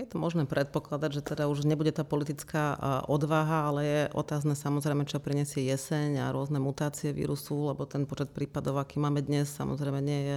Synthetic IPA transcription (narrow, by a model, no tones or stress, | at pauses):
jɛt̪ɔmɔʒnɛːpɾɛt̪̚pɔklad̪aɟʒɛt̪ɛd̪auʒɲɛbuɟɛt̪aːpɔlit̪it͡skaːʔɔd̪ʋaɦaalɛjɛʔɔ̰t̪aːznɛːsamɔzɾɛjmɛt͡ʃɔpɾiɲɛsɪɛjɛsɛɲa̰ɾʊɔznɛmut̪aːt͡siɛʋḭːɾusulɛbɔt̪ɛnpɔt͡ʃɛt̪̚pɾiːpad̪ɔʊakiːmaːmɛd̪ɲɛssa̰mɔ̰zɾɛjmɛɲɪɛjɛ